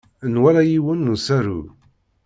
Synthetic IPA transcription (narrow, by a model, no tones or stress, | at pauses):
nwæɾæjiwənːusæɾṵ